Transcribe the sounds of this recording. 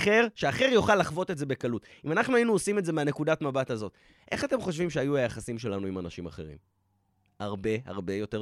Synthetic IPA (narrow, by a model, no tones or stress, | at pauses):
χe̞ʁʃeaχe̞ʁjoχalːaχvo̞te̞tze̞be̞kalut | imanaχnuainuosimetze̞meane̞kudatmabathazo̞t | ʔe̞χate̞mχo̞ʃvimʃeajuajaχasimʃe̞lanuimanaʃima̰χe̞̰ʁḭm | haʁbe̞ha̰ʁbe̞jo̞te